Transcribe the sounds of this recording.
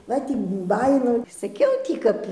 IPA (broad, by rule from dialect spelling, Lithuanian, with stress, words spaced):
ˈʋɐ ˈtʲiː ˈbɑːjɪnɐʊ sɐˈkʲɛʊ tʲiː ˈkɐp